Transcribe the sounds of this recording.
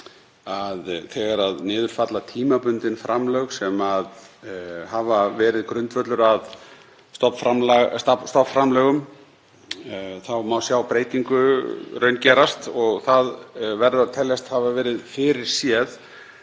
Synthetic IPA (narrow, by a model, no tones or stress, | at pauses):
aðθɛɣaɾaðnɪːðʏɾ̥fat̪lat̪ʰiːmapʏnt̪ɪnfɾʔamlœɣsɛmað | havavɛːɾɪðkɾʏnt̪vœt̪lʏɾað | st̪ɔpfɾamlst̪ɔpfɾamlɛːɣʏm | θawmawsjaːwpɾeːjt̪iŋkʏɾœɥncɛːɾast̪ɔɣθaðvɛɾðʏat̪ʰɛlːast̪havavɛːɾɪðfɪɾɪɾ̥sjɛð